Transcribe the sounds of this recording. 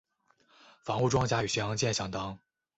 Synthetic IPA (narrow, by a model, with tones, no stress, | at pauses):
fɑ˧˥ŋu˥˧ʈ͡ʂwɑ˥ŋt͡ɕja˥y˨˩ɕɛ˧˥jɑ˧˥ŋt͡ɕjɛ˥˩nɕjɑ˥ŋt̪ɑ˥ŋ